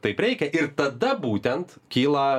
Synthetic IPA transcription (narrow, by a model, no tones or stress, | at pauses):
t̪ɐɪpɾʲɛɪkʲɛʔɪɾt̪ɐd̪ɐbuːt̪ʲɛnt̪kʲiːlˠɐ